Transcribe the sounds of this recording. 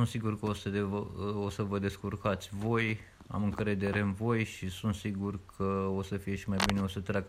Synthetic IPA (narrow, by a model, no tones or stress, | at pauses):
sunt̪siɡurkəosəd̪eosəvəd̪e̞skurkat̪sʲvo̞j | a̰mɨŋkɾe̞d̪e̞ɾe̞ɨnvo̞jʃisunt̪siɡurkʰəosəfije̞ʃimajbineo̞sət̪ɾʲaɡ